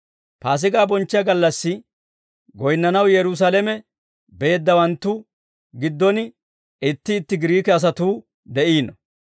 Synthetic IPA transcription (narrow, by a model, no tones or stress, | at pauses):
paːs̬ɪɡaːbɔnt͡ʃːɪjɐɡɐlːɐsːɪ | ɡɔjnːɐnɐwjɛɾʊs̬alɛmɛ | be̞ːd̪ːɐwɐnt̪ːʊ | ɡɪd̪ːɔnɪ | ɪt̪ːɪːt̪ːɪɡɪɾiːkɛɐs̬ɐt̪uː | d̪ɛʔiːnɔ